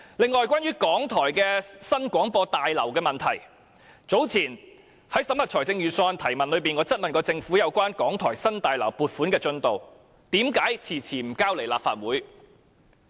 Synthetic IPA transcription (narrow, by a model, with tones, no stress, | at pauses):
lɪ˨ŋːɔː˨˧jkʷaː˥nɥyː˥kɔː˨˥ŋt̪ʰɔː˨˩jkɛː˧sɐ˥nkʷɔː˨˥ŋpɔː˧t̪aː˨jlɐ˨˩wkɛː˧mɐ˨nt̪ʰɐ˨˩j | t͡so˨˥wt͡sʰiː˨˩n | hɐ˨˥jsɐ˨˥mhɐ˨t̚t͡ʃʰɔː˨˩jt͡sɪ˧ŋjyː˨˩sɔː˧nt̪ʰɐ˨˩jmɐ˨nlɵ˨˧ɥpiː˨nŋɔː˨˥t͡sɐ˥t̚mɐ˨nkɔː˧t͡sɪ˧ŋfuː˨˥jɐ˨˧wkʷaː˥nkɔː˨˥ŋt̪ʰɔː˨˩jsɐ˥nt̪aː˨jlɐ˨˩wpuː˨t̚fuː˨˥nkɛː˧t͡sɵ˧nt̪o˨w | t̪iː˨˥mkaː˨˥jt͡sʰiː˨˩t͡sʰiː˨˩m̩˨˩kaː˥wle˨˩jlaː˨pfa̰ː˧t̚wuː˨˥j